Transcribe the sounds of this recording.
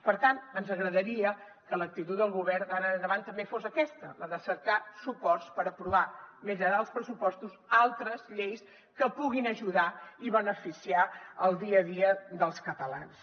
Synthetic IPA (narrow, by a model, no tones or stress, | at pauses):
pəɾt̪ant̪ənzəɣɾəðəɾiə | kələk̚t̪it̪ut̪d̪əlˠɣuβɛɾd̪aɾənd̪əβant̪ːəmbefosəkɛst̪ələðəsəɾkasupɔrspəɾəpɾuβamiʒəɾaəlˠspɾəsupɔst̪uzalˠt̪ɾəzʎejs | kəpuɣinəʒuðaiβənəfisiaəlˠd̪iəðiəd̪əlˠskət̪əla̰ns